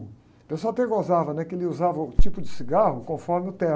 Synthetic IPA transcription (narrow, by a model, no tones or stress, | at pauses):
pẽsoawt̪eɾɡozavɐnɛkɪelɪuzavɐʊt͡ʃipʊd͡ʒɪsiɡahʊkõfɔɾmɪʊt̪ɛ